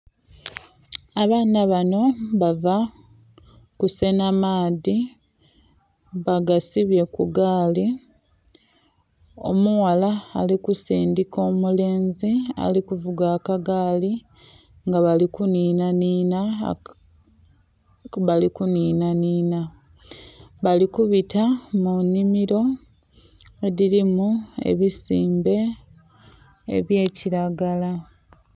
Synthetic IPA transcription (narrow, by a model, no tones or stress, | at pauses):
aβaːnaβano̞βava | kuse̞namaːði | βaɡasiβje̞kuɡaːli | o̞̰muwalaːlikusiːndiko̞ːmule̞ːnzia̰likuvuɡakaɡaːli | ŋɡaβalikuniːnaniːna | βalikuniːnaniːna | βalikuβitamunːimiɾo̞ | eðiɾimue̞̰βisiːmbe̞ | βje̞ːciɾaɡala